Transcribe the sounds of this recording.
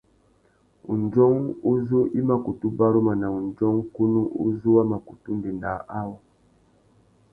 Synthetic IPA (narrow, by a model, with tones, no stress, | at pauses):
ṵ˨nd͡ʒɔ˦ŋu˦zu˦ʔi˦ma˨ku˨tu˦ba˦ɾu˦ma˨na˨u˨nd͡ʒɔ˦ŋ˦ku˦nu˦ʔṵ˦zu˦wa˦ma˨ku˨tu˦ndi˨nda˨ʔa˦wɔ˦